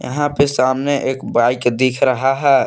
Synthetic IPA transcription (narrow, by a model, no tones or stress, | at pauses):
jə̰ɦãpesamneʔeːkbajkd̪ikʰɾəɦaɦɛ